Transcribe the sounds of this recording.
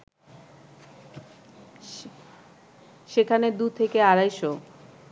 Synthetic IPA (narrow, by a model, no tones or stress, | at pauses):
ʃekʰaned̪ut̪ʰekeaɾajʃo